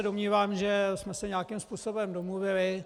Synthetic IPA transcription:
domɲiːvaːmʒɛsmɛsɛɲaːkimspuːso̞bɛmdomluvɪlɪ

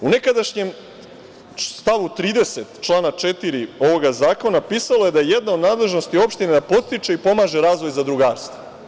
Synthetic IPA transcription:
une̞kad̪aʃɲem | st̪aʋut̪ɾiːd̪e̞set̪t͡ʃlˠaːnat͡ʃet̪iɾio̞ʋo̞ɡazaːko̞napiːsalˠo̞jed̪ajejed̪nao̞d̪naːd̪le̞ʒnost̪io̞pʃt̪ined̪apo̞t̪t̪it͡ʃeipo̞maːʒe̞ɾaːzʋo̞jzad̪ɾuɡaːɾst̪ʋo

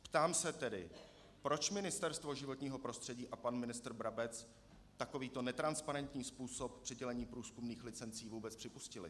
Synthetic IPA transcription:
pt̪aːmsɛt̪ɛdɪ̰ | pɾo̞t͡ʃmɪnɪst̪ɛɾst̪vo̞ʒɪvo̞t̪ɲiːɦo̞pɾo̞st̪r̥ɛɟiːʔapanmɪnɪst̪r̩bɾabɛt͡s | t̪ako̞viːt̪o̞nɛt̪ɾanspaɾɛnt̪ɲiːspuːso̞p̚pr̥ɪɟɛlɛɲiːpɾuːskumniːxlɪt͡sɛnt͡siːvuːbɛt͡spr̥ɪpuscɪlɪ̰

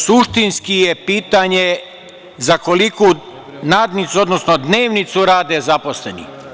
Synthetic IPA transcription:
suʃt̪inskijepiːt̪aɲe | zako̞liku | naːd̪nit̪suo̞d̪nosnod̪ne̞ːʋnit̪suɾaːd̪ezapo̞slenḭ

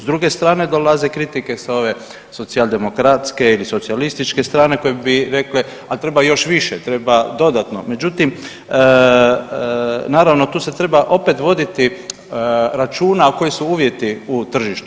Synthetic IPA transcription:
zd̪ɾuɡe̞st̪ɾaːne̞d̪o̞laze̞kɾit̪ike̞sao̞ʋe̞ | so̞t̪sialˠd̪e̞mo̞kɾat̪ske̞iliso̞t̪sialist̪it͡ʃke̞st̪ɾaːne̞ko̞jebiɾe̞kle | at̪ɾe̞bajo̞ʃʋiʃet̪ɾe̞bad̪o̞d̪at̪no̞̰me̞d͡ʒut̪im | naːɾaʋno̞t̪uːse̞t̪ɾe̞baʔo̞pe̞t̪ʋo̞d̪it̪i | ɾat͡ʃuːnako̞jisuuːʋje̞t̪iut̪r̩ʒiʃt̪u

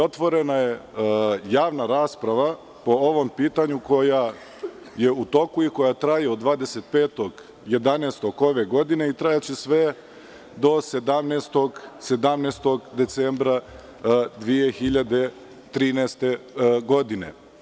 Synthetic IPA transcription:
o̞t̪ʋo̞ɾe̞naje̞ | jaːʋnaɾaːspɾaʋa | po̞oʋo̞mpiːt̪aɲuko̞ja | je̞ut̪o̞kuiko̞jat̪ɾajiod̪d̪ʋaːd̪eset̪̚peːt̪oɡ | je̞d̪aneːst̪o̞ko̞ʋe̞ɡo̞d̪ine̞it̪ɾajat͡ɕesʋe | d̪o̞sed̪amnest̪o̞ɡse̞d̪amnest̪o̞ɡd̪et̪sembɾa | d̪ʋije̞xiʎad̪e̞ | t̪ɾiːnɛst̪e̞ɡo̞d̪inḛ

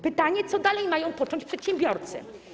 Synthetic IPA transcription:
pɘt̪aɲɛt̪sɔd̪alɛjmajɔ̃w̃pɔt͡ʂɔ̃ɲt͡ɕpʂɛt̪ɕɛ̃mbʲjɔɾt̪sɘ̰

